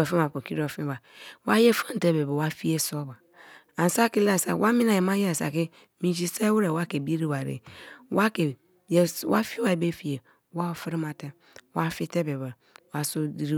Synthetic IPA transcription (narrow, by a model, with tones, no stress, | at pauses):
ɔ˨fi˦a˨po˨ki˦ɾo˨fĩ˦ba˨wa˦je˦fa˦n̩˨te˦be˨bɛ˨wa˦fi˦e˦sɔ˦ba˨ | a˨n˨sa˦ki˦la˨sa̰˨wʔa˦mĩ˦na˨je˨ma˦je˦a˨sa̰˨ki˦ | mĩ˨ʃi˦se˦wu˦ɾe˨wa˦ke˨bi˦ɾi˦wa˨ɾḛ˨wa˦ke˨ | je˨wa˦fi˦wa˨be˦fi˨e˨ | wa˦˨fi˦ɾi˦ma˨te˦ | wa˦fi˦te˦be˨bɛ˨ | wa˦so˦di˦ɾi˦